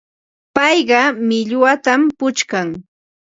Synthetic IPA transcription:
pɑjɢɑmɪʎwat̪ampʊt͡ʃkaŋ

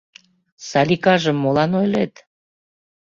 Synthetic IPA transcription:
sɑlʲikɑʒəmːolɑnojlet̪

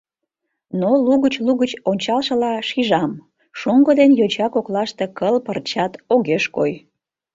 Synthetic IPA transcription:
noluɣət͡ɕluɣət͡ɕonʲt͡ɕɑlʃə̆lɑʃiʒɑm | ʃuŋɡəd̪enjot͡ɕɑkoklɑʃt̪e̽kəlpərt͡ɕɑt̪oɣeʃkoj

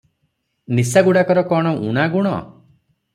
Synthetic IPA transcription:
nisaɡuɽakɔɾɔkɔɽ̃ɔʔṵɽ̃aɡuɽ̃ɔ̰

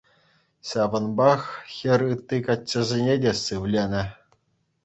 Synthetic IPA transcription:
ɕɑʋɤ̆nbɑxxʲɘ̆rʲɯt̪ːikɑt͡ɕʲːɘ̆zʲenʲedʲesɯʋlʲenʲɘ̆

